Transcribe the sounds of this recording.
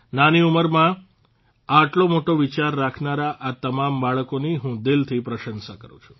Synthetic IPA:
naniuməɾmã | aʈlomoʈoʋit͡ʃaɾːakʰnaɾaʔat̪əmambaɭəkoniɦũd̪ɪlt̪ʰipɾəʃənsakəɾũt͡ʃʰu̥

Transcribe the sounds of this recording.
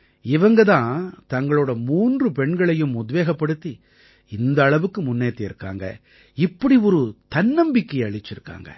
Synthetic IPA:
ɪʋɐŋɡɐt̪ãːt̪ɐŋɡɐɭoːɽɐmuːndrɯpɛɳɡɐɭɐjɯmʊðʋeːɣɐpːɐɽɯt̪ːi | ɪnd̪ɐːɭɐʋɯkːɯmʊnːeːt̪ːɪɪɾɯkːa̰ːŋɡɐ̰ | ɪpːɐɽiɔɾɯt̪ɐnːɐmbɪkːɐɐɭɪt͡ʃːɪɾɯkːa̰ːŋɡɐ̰

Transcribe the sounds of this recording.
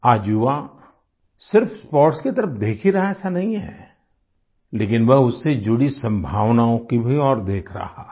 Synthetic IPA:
aːd͡ʒua | sɪɾfspɔːɾʈsket̪ɐɾəpd̪eːkʰiɾɐɦaɛːsanɐɦĩɦɛ̰ | leːkɪnʋɛɦʊsːed͡ʒʊɽisɐ̃mbʱaːʋnaõkibʱiɔːɾd̪eːkʰɾa̰ɦaː

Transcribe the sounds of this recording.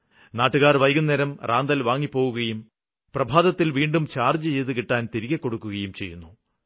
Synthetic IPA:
naːʈːuɣaːrʋɐjɡunːeːɾɐmraːnd̪ɐlʋaːŋːipːo̞ːɣuɣɐjum | prɐbʱaːd̪ɐt̪ːilʋiːɳɖumt͡ɕaːrd͡ʑɨt͡ɕe̞jt̪ukiʈːaːnt̪iɾiɣɐkːo̞ɽukːuɣɐjumt͡ɕe̞jːunːu

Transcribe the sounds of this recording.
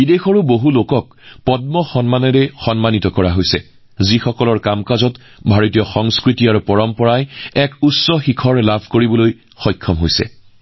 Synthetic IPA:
bidexɔɹuboɦulokɔk̚ | pɔd̚mɔxɔnmanɔɹɛxɔnmanitɔkɔɹaɦojsɛ | zixɔkɔlɔɹkamkazɔt | bʱaɹotijɔxɔŋskɹitiaɹupɔɹɔmpɔɹajɛkusɔxikʰɔɹlabʱkoɹibɔloj | xɔjkʰːɔmɦojsɛ̰

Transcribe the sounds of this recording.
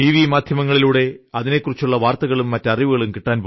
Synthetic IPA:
iːʋimaːd̪ʱjɐmɐŋːɐɭiluːɽe̞ɐðine̞kːurit͡ɕːuɭːɐʋaːrt̪ɐɣɐɭumːɐtːeɐriʋuɣɐɭumkiʈːaːnp

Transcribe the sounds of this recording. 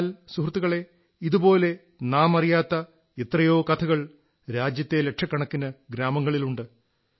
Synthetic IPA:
lsuhrt̪ːuɣɐɭe̞ | iðubo̞ːle̞ | naːmɐrijaːt̪ːɐ | et̪rɐjo̞ːkɐt̪ʰɐɣɐɭ | ɾaːd͡ʑjɐt̪ːe̞le̞kʂʰɐkːɐɳɐkːinɐɡɾaːmɐŋːɐɭiluɳɖɨ

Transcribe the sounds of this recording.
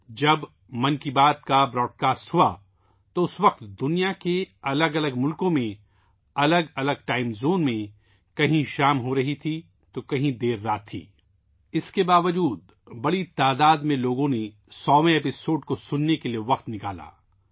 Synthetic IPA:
d͡ʒɐb | mɐ̃nkibaːt̪kabɾɔːɖ̚kaːsʈɦua | t̪oʊsʋɐq̚t̪d̪ʊnijakeɐləɡɐləɡmʊlkõmẽ | ɐləɡɐləɡ̚ʈaːɪmzoːnmẽ | kɐɦĩʃaːmɦoɾɐɦit̪ʰi | t̪okɐɦĩd̪eːɾːaːt̪ʰːḭː | ɪskebaːʋəd͡ʒuːd̪̚ | bɐɽit̪aːd̪aːd̪mẽloːɡõne | sɔːʋẽeːpɪsoːɖkosʊnːekelijeʋɐqt̪nɪka̰ːla̰ː

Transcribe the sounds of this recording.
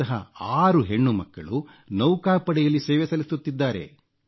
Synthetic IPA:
ɐɦɐ̰aːɾuɦe̞ɳːumɐkːɐ̰ɭu | nɐwkaːpɐɽɛjɐlːisɛːʋɛsɐlisut̪ːid̪ːaːɾe̞̰

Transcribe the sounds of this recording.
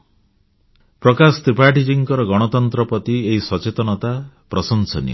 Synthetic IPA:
pɾɔkasɔt̪ɾipaʈid͡ʒiŋkɔɾɔɡɔɽ̃ɔt̪ɔnt̪ɾɔpɔt̪ieɦisɔt͡ʃet̪ɔnɔt̪a | pɾɔsɔnsɔ̰nḭ

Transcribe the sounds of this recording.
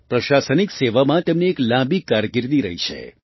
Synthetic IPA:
pɾəʃasənikseʋamãt̪emneːklãbikːaɾɡɪɾd̪iɾə̰ɦit͡ʃʰḛ

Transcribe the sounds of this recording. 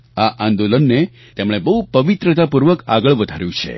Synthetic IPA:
aʔãnd̪olənːe | t̪emɽ̃ebəɦupəʋit̪ɾət̪apuɾʋəka̰ɡəɭʋəd̪ʱaɾjũt͡ʃʰḛ

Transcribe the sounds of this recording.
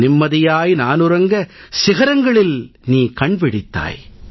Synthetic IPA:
nɪmːɐðɪjaːjnaːnʊɾɐŋɡɐsɪɣɐɾɐŋɡɐɭɪlniːkɐɳpɪɽɪt̪ːa̰ːj

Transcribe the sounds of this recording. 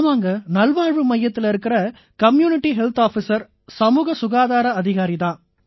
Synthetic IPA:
maːŋɡɐnɐlʋaːɻʋɯmɐjːɐt̪ːɪlɪɾɯkːɪrɐ | kɐmjuːnɪʈːiɦɛlt̪aːfisɐɾ | sɐmuːɣɐsʊɣaːðaːɾɐɐðɪɣaːɾiðãː

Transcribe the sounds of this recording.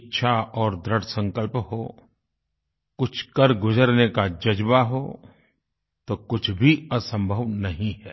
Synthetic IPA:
tːʃʰaɔːɾd̪ɾəɽsə̃ŋkəlpɦo | kʊt͡ʃʰkəɾɡʊzəɾnekad͡ʒɐd͡ʒbaɦo | t̪okʊt͡ʃʰbʱiɐsə̃mbʱəʋnɐɦĩɦɛː

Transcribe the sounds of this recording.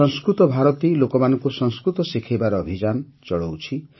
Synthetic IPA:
ɔŋskɾut̪ɔbʱaɾɔt̪ilokɔmanɔŋkusɔŋskɾut̪ɔsikʰibaɾɔːbʱid͡ʒanɔt͡ʃɔɭowt͡ʃʰi

